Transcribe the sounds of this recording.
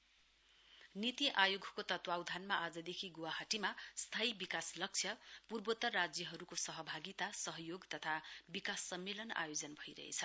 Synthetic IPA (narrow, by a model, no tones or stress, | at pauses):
nit̪iʔajoɡʱkot̪ʌt̪wawd̪ʱanmaʔad͡zʌd̪ekʰiɡowaɦaʈimast̪ʰaibikaslʌk̚t͡sʰjʌpurbot̪ːʌrrad͡zjʌɦʌɾukosʌɦʌbʱaɡit̪asʌɦʌjoɡt̪ʌt̪ʰabikasːʌmːelʌna̰jod͡zʌnbʱʌiɾʌ̰ɦḛt͡sʰʌ